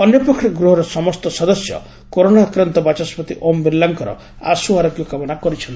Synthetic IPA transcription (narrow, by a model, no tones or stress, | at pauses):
ɔnjɔpɾɔkʰɾɔɡɾuɦɔɾɔsɔmɔst̪ɔsɔd̪ɔsjɔ̰ | koɾonakɾant̪ɔbat͡ʃaspɔt̪iʔombilːaŋkɔɾɔ̰ | a̰suaɾɔɡjɔkamɔnakɔɾit͡ʃʰɔn